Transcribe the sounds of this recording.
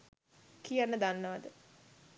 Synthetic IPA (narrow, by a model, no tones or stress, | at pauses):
kijanːəd̪anːəʋad̪ə